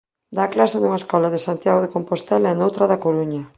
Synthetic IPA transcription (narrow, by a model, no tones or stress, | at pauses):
d̪aːklasanuŋɐeskɔlaðesant̪jaɣoðekompost̪ɛlaɛnowt̪ɾɐðakoɾuɲɐ